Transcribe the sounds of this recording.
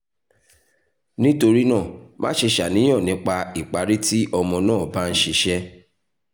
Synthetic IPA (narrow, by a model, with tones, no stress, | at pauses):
nĩ˦to˧ɾi˦nãː˦˨mã̰˦ʃe˧ʃa˨nĩ˨˦ɔ̃˦˨nĩ˨˦k͡pa˧i˨k͡pa˨˦ɾi˦ti˦ʔɔ˧mɔ̃˧nãː˦˨ba˦˧n̩˦ʃe˧ʃɛ˦